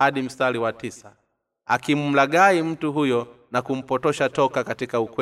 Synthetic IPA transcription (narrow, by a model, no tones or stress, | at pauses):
aɗim̩staliwatisa | akim̩m̩laɠaim̩tuɦujɔ | nakum̩pɔtɔʃatɔkakatikaukwɛ